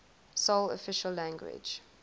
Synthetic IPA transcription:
solɔ̰fɪʃəlːæ̃ŋɡwɪ̰d͡ʒ

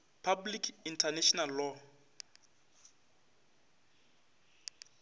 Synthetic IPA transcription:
pʰablikʰintʰanɛʃɔnalːɔ

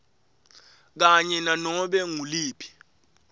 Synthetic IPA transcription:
k̬aɲɛnanɔɓɛŋuliːpʰi̥

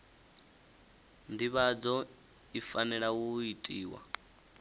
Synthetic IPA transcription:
ndiβad͡zɔ | ifanɛɺawuitʼiːwa̰

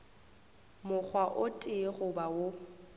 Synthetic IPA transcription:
mʊk͡xʰwaʔʊtʼɪɣʊbawo

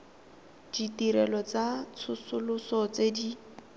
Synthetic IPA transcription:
d̥itiɾɛlɔt͡sat͡sʰʊsʊlʊsɔt͡sedi

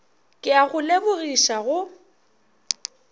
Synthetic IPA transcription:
kʼɪaɣʊlebʊɣiʃaɣʊ

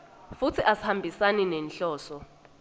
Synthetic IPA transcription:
fut͡sʰiʔasi̥hambʱisaninɛnɬɔːsɔ

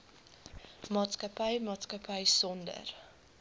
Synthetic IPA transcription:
mɑːtskɐpəjmɑːtskɐpəjsɔndə̰r

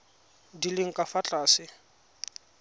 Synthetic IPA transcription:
dilɪŋ̩kʼafat͡ɬʼaːsɪ

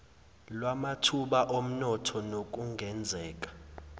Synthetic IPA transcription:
lwamatʰuɓaʔom̩nɔtʰɔnok̬ʼuŋʱɛnd͡zʱɛːk̬ʼḁ

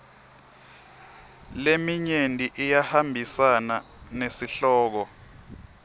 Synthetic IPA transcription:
lemiɲendʱiʔijahambʱisana | nesiɬɔːk̬ɔ

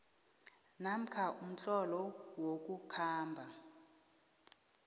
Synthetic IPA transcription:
nam̩kʰaʔum̩t͡ɬʼɔlɔwok̬ʼukʰaːmbʱa

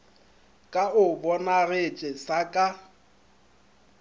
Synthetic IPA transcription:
kʼaʔʊbɔnarɪt͡ʃʼɛsakʼa

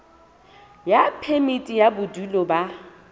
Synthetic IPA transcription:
japʰɛmitʼijabʊdulɔba

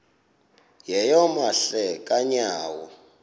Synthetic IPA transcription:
jɛjɔmaɬɛkʼaɲaːwɔ

